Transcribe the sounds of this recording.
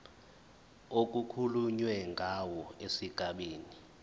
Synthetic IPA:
ok̬ukʰuluɲwɛŋɡʱawɔesiɡ̥ʱaɓeːni

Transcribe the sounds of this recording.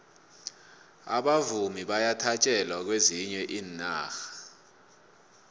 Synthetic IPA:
a̰ɓavumiɓajatʰat͡ʃʼɛlwak̬weziɲɛʔiːnːa̰ːxḁ

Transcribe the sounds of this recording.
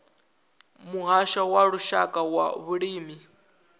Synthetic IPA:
muɦaʃawaɺuʃakʼawa̰βuɺiːmi

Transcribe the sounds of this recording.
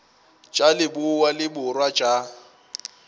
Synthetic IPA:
t͡ʃʼalɪbʊwalɪbʊrwat͡ʃʼa

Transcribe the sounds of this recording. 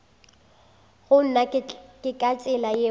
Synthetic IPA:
ɣʊn̩nakʼɪkʼat͡ʃʼɪlaje

